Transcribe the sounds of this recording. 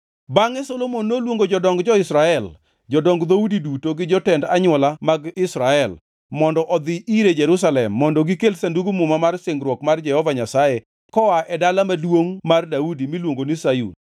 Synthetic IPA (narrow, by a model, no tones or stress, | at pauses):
baŋɛsolomonːolwoŋɡod͡ʒɔdɔŋɡd͡ʒɔɪsɾaɛl | d͡ʒɔdɔŋɡd̪audidutoɡɪd͡ʒɔtɛndaɲʊɔlamaɡɪsɾaɛl | mɔndɔʔɔd̪ɪʔiɾed͡ʒeɾus̬alɛmːɔndɔɡikelsanduɡumumamarsɪŋɡɾwɔkmard͡ʒɛhɔvaɲasaje | kɔaʔɛdalamadwoŋmardaudimilwoŋɡonisajṵn